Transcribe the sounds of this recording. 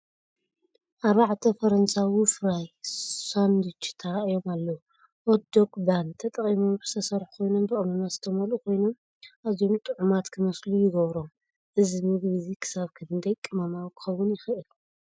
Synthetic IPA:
ʔaβaʕt̪ʰɐfɐɾɐnsawifɨɾajsand̪it͡ʃt̪ʰɐɾaʔjo̞malːɐw | ʔod̪okbant̪ʰɐt̪ʼɐχʼimumbɨst̪ʰɐsɐɾħu̥kʰo̞jnombɨχʼnɐmazɨt̪ʰɐmɐlukʰo̞jnom | ʔazjo̞mt̪ʼɨʕumat̪kʰɨmɐslujɪɡɐβɾom | ʔɨzimɨɡβɨzikʰɨ̥saβkʰɨnɨnd̪ʰɐjkʼɨmamawikʰɨ̥xɐwːʊnjɪxɨʔɨl

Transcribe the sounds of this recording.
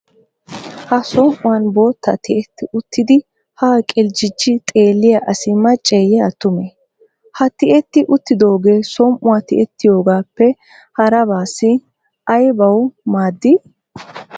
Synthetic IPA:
hɐsɔmʔʊwɐnbo̞ːt̪ʰːɐt̪ɪʔɛt̪ːɪʔʊt̪ʰːɪd̪ɪ | haːkʼɪld͡ʒɪd͡ʒɪt̪ʼe̞ːlːɪjɐʔɐsɪmːɐt͡ʃʼɛjɛɐt̪ːʊmɛ | hɐt̪ɪʔɛt̪ːɪʔʊt̪ːɪd̪o̞ːɡe̞ːsɔmʔʊwɐt̪ɪʔɛt̪ːɪjo̞ːɡaːpːɛ | hɐɾɐbaːsɪ | ʔɐjbɐwmaːd̪ːɪ

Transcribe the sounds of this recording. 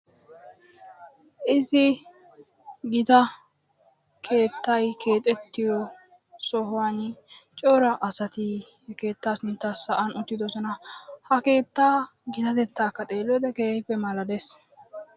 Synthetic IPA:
ʔɪzɪ | ɡɪt̪ɐ | kʰe̞ːt̪ːɐjkʰe̞ːt̪ʼɛt̪ːɪjɔ | sɔɦʊwant͡ʃʼoːɾɐʔɐsɐt̪ihɛke̞ːt̪ːaːsɪnt̪ːaːsɐʔɐnʊt̪ːɪd̪ɔsɔnɐhɐke̞ːt̪ːaː | ɡɪt̪ɐt̪ɛt̪ːaːkːɐt̪ʼe̞ːlːɔd̪ɛkeːhɪpːɛmɐlɐd̪es

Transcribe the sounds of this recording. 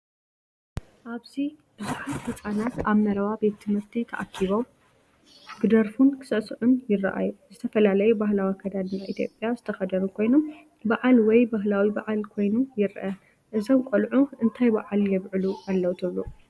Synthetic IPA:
ʔaβzibɨzɨħat̪hɨt͡sʼanat̪aβmɐɾɐβabe̞t̪ːʰɨmhɨɾt̪ʰit̪ʰɐʔakʰːiβo | ɡɨd̪ɐɾfunkʰɨ̥sɐʔsɨʕʊnjɪrːa̰ʔa̰juzɨt̪ʰɐfɐlalɐjubaɦlawikʰːɐd̪ad̪ɨnaʔit̪ʰjo̞̰pʼːjazɨt̪ʰɐxɐd̪ɐɾukʰo̞jnom | baʕalwɔjbaɦlawibaʕalkʰo̞jnujɪɾʔɐ | ʔɨzomkʷʼolʕuʔɨnt̪ʰajba̰ʕaljɛβʕɨluʔalːɐwt̪ʰɨβlu

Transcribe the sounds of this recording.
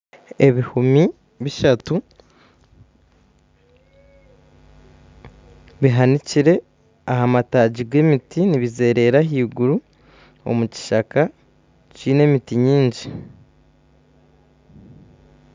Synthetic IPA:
e̞βihumi | βiʃatu | βiɦaniciɾe̞ | ahamataːɟiɡwe̞mitiniβize̞ːɾe̞ːɾaɦiːɡuɾu | o̞̰muci̥ʃaka | ciːne̞mitiɲiːɲɟi

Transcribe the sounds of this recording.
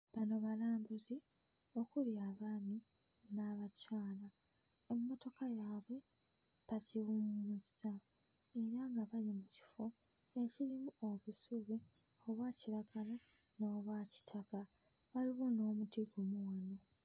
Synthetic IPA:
βano̞βalaːmbuzi | o̞kuljaːβaːni | naβacaːla | emːo̞to̞kajaːβwe̞ | βaciwumuuzisa | e̞ɾaŋɡaβalimuci̥fo̞ | ecilimuoβusuβi | oβwaːciɾaɡala | no̞ːβwaci̥tʰaka | βaliβono̞ːmutiɡomuwano̞

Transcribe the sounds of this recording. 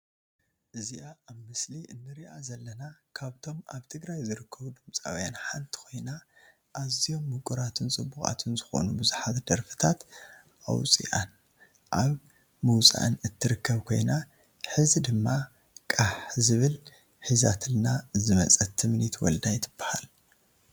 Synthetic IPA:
ʔɨziʔaʔːβmɨsliʔɨnːɨɾiʔazɐlːɐnakʰaβt̪ʰo̞ma̰βt̪ʰɨɡɾajzɨɾɨkʰːɐβud̪ɨmt͡sʼa̰wjanħant̪ʰi̥kʰo̞jna | ʔazijo̞mːɨkʼuɾat̪ʰɨnt͡sʼɨbːuxʼa̰t̪ʰɨnzɨxo̰nubɨzuħat̪d̪ɐɾfɨ̥t̪ʰat̪ | ʔa̰wt͡sʼḭʔan | ʔaβ | muwt͡sʼa̰ʔɨnɨt̪ʰːɨɾɨkʰːɐβkʰo̞jna | ħɨzid̪ɨmːa | kʼaħzɨβɨl | ħizat̪ʰɨlnazɨmɐt͡sʼɐt̪ʰːɨmnit̪ʰwɔ̰ld̪ajt̪ʰɨb̥ːḁha̰l

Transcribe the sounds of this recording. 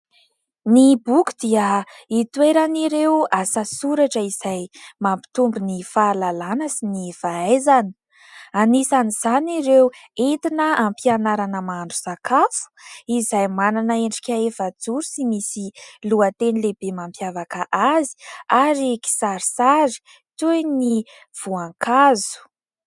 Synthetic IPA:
nibukʲu̥d̪iəit̪weɾaniɾewasasuɾaʈ͡ʂəiz̥ajmampi̥t̪umbinifaːlalanəsinifaazani̥ | anisaniz̥aniɾewent̪inəampianaɾanəmaɳɖ͡ʐusakafu̥izajmananəeɳɖ͡ʐi̥kʲaefad͡zuɾusimisiluət̪enilebemampjavakəʔazi̥aɾiki̥saɾisaɾi̥ | t̪uni | v̥uaŋkazu̥

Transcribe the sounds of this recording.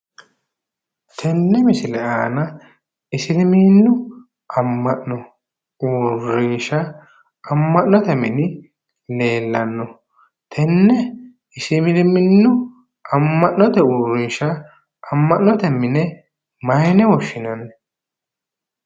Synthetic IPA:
t̪ʰɛnːɛmɪsɪlɛʔaːnɐ | ɪsɪlɪmiːnːʊ | ɐmːɐʔnɔ | uːrːɪnʃɐː | mːɐʔnɔt̪ɛmɪ̰nɪ | le̞ːlːɐnːɔ | t̪ʰɛnːɛ | ɪsɪmɪlɪmɪnːʊ | ɐmːɐʔnɔt̪ɛuːɾːɪnʃɐ | ɐmːɐʔnɔt̪ɛmːɪnɛ | mɐjnɛwɔʃːɪnɐn

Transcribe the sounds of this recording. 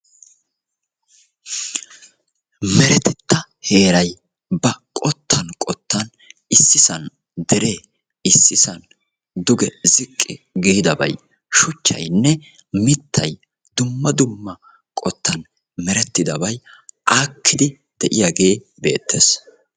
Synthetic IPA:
mɛɾɛt̪ɛt̪ːɐ | he̞ːɾɐj | bɐkʼɔt̪ʰːɐnkʼɔt̪ːɐn | ɪsːɪsɐn | d̪ɛɾʔe̞ː | ɪsːɪsɐn | d̪ʊɡɛzɪkʼːɪɡɛhɪd̪ɐbɐ̰j | ʃʊt͡ʃːɐ̰jnːɛ | mɪt̪ʰːɐj | d̪ʊmːɐd̪ʊmːɐ | kʼɔt̪ːɐn | mɛɾɛt̪ːɪd̪ɐbɐjʔaːkːɪd̪ɪ | d̪̥ɛʔɪjaːɡe̞ː | be̞̰ːt̪ʰːes

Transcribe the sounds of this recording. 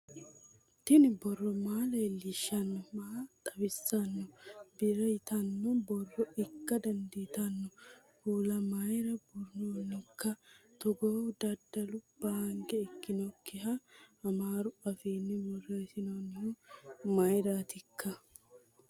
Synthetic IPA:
t̪ɪnɪbɔrːɔmaːlejlɪʃːɐnːɔmaːt̪ʼɐbɪsːɐnːɔbɪɾɛjɪt̪ɐnːɔbɔrːɔʔɪkːɐd̪ɐnd̪it̪ɐnːɔ | huːlɐmɐjɾɐbʊɾnoːnːɪkːɐt̪ɔɡod̪ɐd̪ɐlʊb̥ɐŋɡɛɪkːɪnɔkʰːɪɦɐɐmaːɾʊɐfeːnːɪmɔreːsɪnoːnːɪhɔmɐjɾat̪ɪkʰːɐ

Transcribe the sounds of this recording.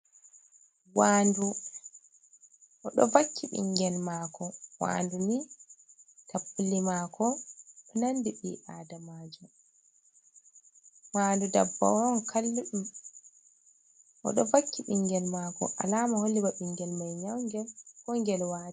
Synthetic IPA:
wandu | ʔɔ̰ɗɔvakʰːiɓḭŋɡɛlmaːkɔwa̰nduni | tʰapːulːimakʰɔpinandiɓḭːʔaːdamaːd͡ʒu | waːndudabːa̰wnkʰalː | ʔɔ̰ɗɔvakʰːiɓiŋɡɛlmaːkɔ̰ʔa̰lamaholːibaɓiŋɡɛlmajɲawŋɡɛlkɔŋɡɛlwaː

